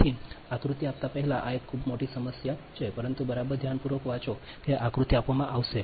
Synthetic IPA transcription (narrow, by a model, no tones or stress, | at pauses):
inakɾut̪iap̚t̪apəɦɛlãʔaekʰːubmoʈisəməsjat͡ʃʰepəɾənt̪ubəɾabəɾd̪ʱjanpuɾokʋat͡ʃo | keʔakɾut̪iapʋamãʔaʋʃe